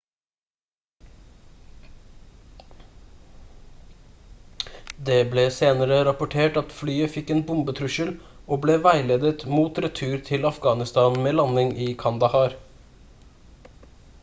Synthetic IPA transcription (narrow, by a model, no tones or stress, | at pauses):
d̪eːbleːseːnəɾəɾɑpʊʈʰeːʈɑt̪flyːəfɪkːeːnbʊmbət̪ʰɾʉʃəl | oːbleːʋæɪleːd̪ət̪muːt̪ɾɛt̪ʰʉːɾt̪ʰɪlɑfɡɑːnɪst̪ɑːnmeːlɑnɪŋʔiːkʰɑnd̪ɑhɑːɾ